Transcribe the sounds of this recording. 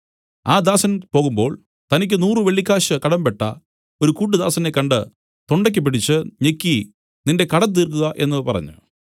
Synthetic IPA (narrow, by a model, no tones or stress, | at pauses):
aːd̪aːsɐnɐmpo̞ːɣumbo̞ːɭ | t̪ɐnik̬ʲːɨnuːrɨʋeɭːikʲːaːɕɨkɐɽɐmbeʈːɐ̰ | oɾukuːʈ̬ːɨd̪aːsɐnekːɐɳɖɨ | t̪oɳɖɐk̬ʲːɐp̬ːiʈʰit͡ɕːɨɲekʲːi | ninde̞kɐɽɐt̪̬ːiːrkuɣɐʔe̞nːɨpɐrɐ̰ɲːṵ